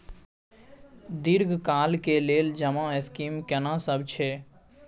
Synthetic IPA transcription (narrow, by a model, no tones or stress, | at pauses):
d̪iɾɡʱkaːlkeleːld͡ʒəmãɪskimkɛnasəbt͡ʃʰɛ